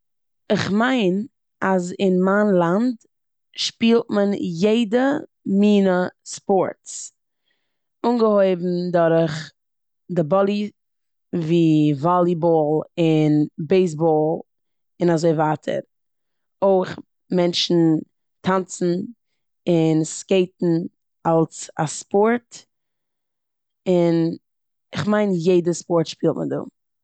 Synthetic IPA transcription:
ɪχmaɪn | azɪnmaːnlˠand | ʃpiːlˠt̚mənjeɪdə | miːnəspɔɾts | unɡəhoɪbm̩dɔɾχ | dɪbɔlˠi | viːvɔlˠibɔlˠɪnbeɪs̬bɔlˠ | ɪnazoɪvaːtʰə̰ɾ | oɪχ | mɛnʃn̩ | tʰant͡sn̩ | ɪnskeɪtn̩ | alˠsa̰spɔɾt | ɪn | ɪχmaɪnjeɪdəspɔɾtʃpiːlˠtmɪ̰dṵː

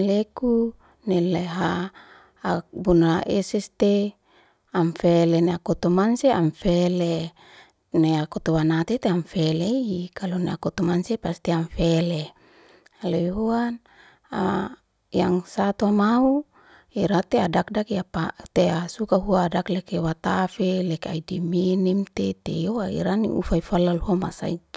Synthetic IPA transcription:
leku | neleɦaː | bunaʔesɛst̪e | amfeleneakot̪omanseamfele | neakot̪owanat̪et̪eamfeleikaloneakot̪omansepast̪iamfele | leɦuan | a | jaŋsat̪oamau | iɾat̪eadak̚dakjapat̪easukaɦuaːdaklekewat̪afelekea̰idiminimt̪et̪ejoaḭɾanḭʔṵfaifalalɦamasa̰id͡ʒ

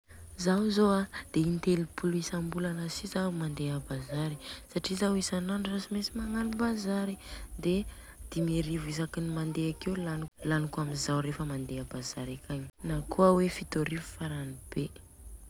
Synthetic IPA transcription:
zawzoad̪̥eint̪elipʰuluisambuləlasizamand̪eabazaɾisaʈ͡ʂizawisananurasimesimaŋalubazaɾid̪e | d̪̥imeɾivuizakinimand̪eakewlanlanikuaminzawɾefəmand̪eabazaɾakʰaɲi̥nakʰuawefit̪oɾivufaɾanib̥e

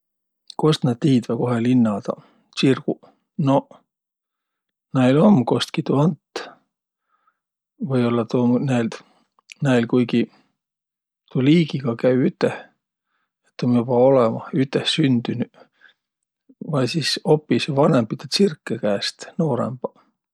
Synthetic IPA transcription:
ko̞st̪nɑd̪t̪iːd̪væko̞ɦelinːɑd̪̥ɑ̰ | sirɡ̥u | no̞ | næjlo̞mko̞st̪kit̪uɑnt̪ː | vɤjo̞lːɑt̪umnæil | næilkujɡi | t̪uliːɡ̥iɡ̥ɑkæyyt̪ˑːeh | et̪ːˑomjobɑo̞lemɑyt̪ːˑehsynd̪̥yny | vɑjsiso̞pːisɑvɑnempːit̪ɑt̪sirkːekæːst̪no̞ːɾḛmb̥ɑ

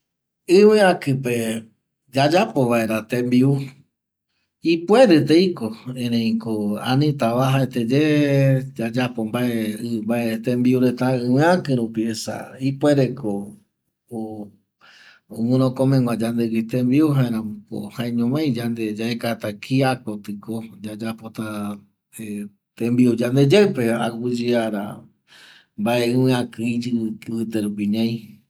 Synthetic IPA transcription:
ɨwẽãkɨpe | d͡ʒad͡ʒapoʋaeɾat̪ẽmbiu | ipweɾet̪ejkoẽnẽĩkoa̰nĩt̪aβaɦaet̪ed͡ʒe | d͡ʒad͡ʒapombaeɨmbaet̪ẽmbiuɾet̪aɨwẽãkɨ̃ɾupiesa̰ipweɾeko | o | oŋũɾ̃õkõmẽŋãd͡ʒand̪eɡit̪ẽmbiuɦãeɾãmko̰hãẽɲõmãj̃d͡ʒand̪ed͡ʒaekat̪akʰiakot̪ɨkod͡ʒad͡ʒapot̪a | e | t̪ẽmbiud͡ʒand̪ed͡ʒape̞aɡud͡ʒiaɾa̰ | mbaeɨ̃wɨ̃ãkɨid͡ʒɨɨt̪eɾupiɲãj̃

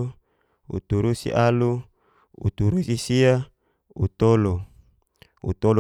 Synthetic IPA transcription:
ṵt̪uɾusḭʔalu | ṵt̪uɾusisia | ut̪olo | ṵt̪ol

